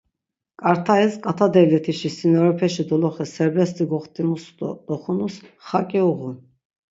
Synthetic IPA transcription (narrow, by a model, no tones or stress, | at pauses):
kʼaɾt̪ʰaɛskʼat̪ʰad̪ɛlɛt̪ʰiʃisinɔɾɛpʰɛʃid̪ɔlɔχɛsɛɾbɛst̪ʼiɡɔχt̪ʼimusd̪ɔd̪ɔχunusχakʼiɔʁun